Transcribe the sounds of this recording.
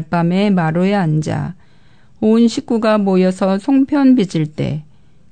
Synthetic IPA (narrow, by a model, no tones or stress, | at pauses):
ɭp͈ame̞maɾoeand͡ʑa̰ | oɯnɕʰik̚k͈uɡamojʌsʰʌsʰoŋpʰjʌnbid͡ʑiɭt͈e̞̰